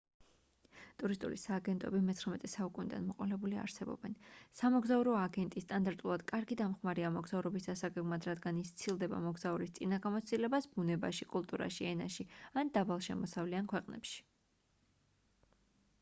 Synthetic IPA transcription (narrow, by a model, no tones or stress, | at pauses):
t̪ʼuɾist̪ʼṵlisaːɡɛnt̪ʼɔ̰bimɛt̪sʰχɾamɛt̪ʼɛsaukʼunid̪a̰nmɔqʼɔlɛbulia̰ɾsɛbɔ̰bɛnsamɔɡzauɾɔaɡɛnt̪ʼist̪ʼand̪aɾt̪ʼulˠad̪̥kʼaɾɡid̪amχmaɾiamɔɡz̥auɾɔbisd̪asaɡɛɡmad̪ɾad̪ɡanist̪sʰilˠd̪ɛba̰mɔɡzauɾist̪sʼinaɡamɔt̪st̪ʼilɛbasbunɛba̰ʃikʼulˠt̪ʼuɾa̰ʃiɛna̰ʃiand̪abalˠʃɛmɔsavliankʰwɛqʼnɛ̰pʃi̥